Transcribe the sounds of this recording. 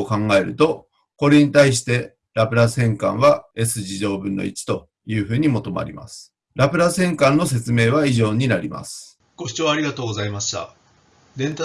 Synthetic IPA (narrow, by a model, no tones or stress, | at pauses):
okãŋɡae̞ɾɯ̟̰t̪o̞ | ko̞ɾe̞ɲ̟it̪aiɕ̬i̥t̪e̞ | ɾapɯ̟ɾasẽ̞ŋkã̰ɰ̃βae̞sɨʑiʑo̞ːbɯ̟̃nːo̰ḭt͡ɕi̥t̪o̞ | jɯ̟ːɸɯ̟ːɲ̟imo̞t̪o̞ma̰ɾʲḭma̰sɨ̥ | ɾapɯ̟ɾasẽ̞ŋkãnːo̞se̞t͡sɨme̞ːβ̞aiʑo̞ːɲ̟inaɾʲima̰sɨ̥ | ɡ̥o̞ɕi̥t͡ɕoːaɾʲiɡat̪o̞ːɡozaimaɕt̪a̰ | d̪ẽ̞nt̪a